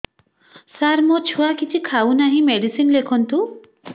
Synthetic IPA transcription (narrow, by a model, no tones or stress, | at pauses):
saɾmɔt͡ʃʰuakit͡ʃʰikʰawnaɦĩmeɖisinlekʰɔnt̪u